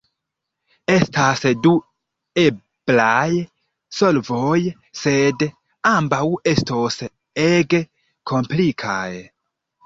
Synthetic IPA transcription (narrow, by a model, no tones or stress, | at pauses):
e̞stasdu | e̞ | b̥laj | solvoj | se̞d | ambawe̞stos | eɡe | kʰo̞mplikʰa̰j